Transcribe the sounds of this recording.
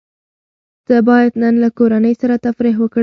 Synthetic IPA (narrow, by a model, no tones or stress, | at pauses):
d̪̥əbɑjad̪nənlakoɾanəjsaɾat̪afɾiɦwək